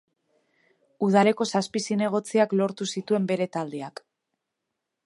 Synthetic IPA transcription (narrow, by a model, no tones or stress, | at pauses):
uð̞ale̞ko̞saspisine̞ɣ̞o̞t͡siaklo̞ɾt̪usit̪ue̞mbe̞ɾe̞t̪ald̪e̞ak